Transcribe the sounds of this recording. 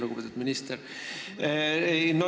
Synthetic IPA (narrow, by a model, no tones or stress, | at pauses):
luɡupet̪ud̪minist̪ɛɾ | no